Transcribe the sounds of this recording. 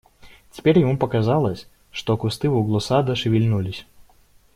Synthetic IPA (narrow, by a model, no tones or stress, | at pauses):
t͡sʲɪ̥pʲeɾʲjɪmupɐkazalˠəsʲ | ʂt̪ɔkʊst̪ɨvuɡlˠʊsad̪ɐʂɨvʲilʲnulʲɪsʲ